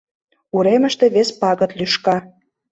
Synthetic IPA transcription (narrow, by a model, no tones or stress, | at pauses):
uɾemə̆ʃt̪e̽βespɑɣɤ̆t̪lyʃkɑ